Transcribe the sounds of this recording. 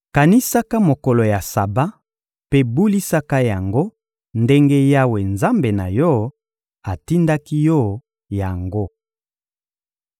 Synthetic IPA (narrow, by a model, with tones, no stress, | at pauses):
ka˨ni˦sa˦ka˦mo˨ko˨lo˨ja˨sa˨ba˦ | pe˦bu˦li˦sa˦ka˦ja˨ŋɡo˦ | nde˦ŋɡe˦ja˦we˨nza˦mbe˨na˨jɔ˦ | a˨ti˦nda˦ki˦jɔ˦˨ | ja˨ŋɡo˦